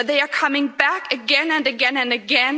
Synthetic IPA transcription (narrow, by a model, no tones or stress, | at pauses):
ðeɪə˞kʰʌmɪ̃ŋbækɨɡɛ̃nɨ̃nɨɡɛ̃nɨ̃nɨɡɛ̃n